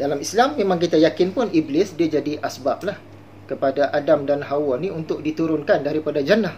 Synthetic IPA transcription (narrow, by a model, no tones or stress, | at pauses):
dalamislamːemãŋkit̪ajakɪnpʊniblɪsdiad͡ʒadiʔasbap̚lah | kəpadaʔadamdanɦawɔnĩunt̪ʊk̚dit̪uɾʊnkandaɾipadad͡ʒanah